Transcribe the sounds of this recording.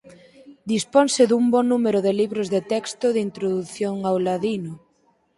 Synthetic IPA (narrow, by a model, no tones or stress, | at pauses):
d̪ispɔnsɪðumbɔnumeɾʊðɪliβɾozðet̪ɛkst̪ʊðint̪ɾoðuθjoŋawlaðinʊ